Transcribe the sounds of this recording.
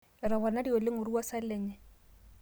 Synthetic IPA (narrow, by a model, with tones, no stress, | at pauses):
ɪ˨ɾa˨bɔ˨na˦di˦ɔ˨lɪ˦ŋʊ˨ɾu˦wa˦sa˦lɛ˨ɲɛ˨